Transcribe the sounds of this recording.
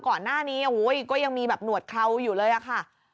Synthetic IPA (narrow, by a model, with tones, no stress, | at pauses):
kɔː˨˩nːaː˥˩niː˦˥ʔo˨˧wu˦˥jkɔː˥˩ja˧ŋmiː˧bɛː˨˩p̚nu˨˩ət̪̚kʰa˧wjuː˨˩lɤː˧jʔa˨˩kʰa˥˩